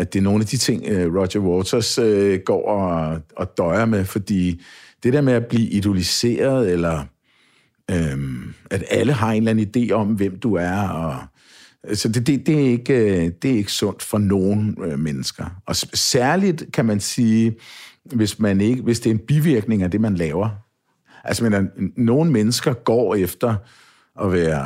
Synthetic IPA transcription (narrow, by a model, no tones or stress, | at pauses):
æd̥e̝ɐno̝ːnæd̥it͡sʰe̝ŋ̰øʁɒɕɐwɔːt͡sʰɐsøɡ̥ɒ̰ːɒ̽ɒ̽d̥ɒ̽ɪɐmefɒ̽d̥ḭːd̥e̝ɾe̝ɐmeæb̥lḭːʔid̥olise̝̰ːɐðˠelɐ | ømæd̥æləɦɑ̈e̝ːnlæn̩id̥e̝̰ːɒ̽mʋem̰d̥uæɐɒ̽ | sɒ̽d̥ed̥e̝d̥e̝æɐe̝ɡ̥d̥e̝æɐe̝ɡ̥ə̥sɔ̽n̰d̥fɒ̽no̝ːnmenəsɡ̥ɐɒ̽sæɐlid̥kʰæmænsiː | ʋe̝smæne̝ɡ̥əʋe̝sd̥e̝ɐe̝nb̥iʋiɐɡ̥ne̝ŋæd̥e̝mænlɛːʊɐ | ʔælsmenɐno̝ːn̩menəsɡ̥ɐɡ̥ɒ̰ːefd̥ɐ | ʔɒ̽ʋæːɐ